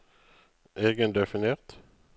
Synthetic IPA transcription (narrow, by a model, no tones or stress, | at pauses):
ʔeːɡənd̪ɛfɪneːʁt̪